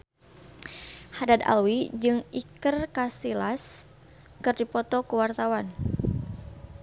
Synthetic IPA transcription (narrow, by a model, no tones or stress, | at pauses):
hadad̪a̰lwid͡ʒɨŋikərkasilas | kɨrdipɔt̪ɔkuwart̪awan